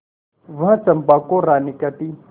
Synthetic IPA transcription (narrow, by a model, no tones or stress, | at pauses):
vãt͡sɐmbakɔɾanikat̪i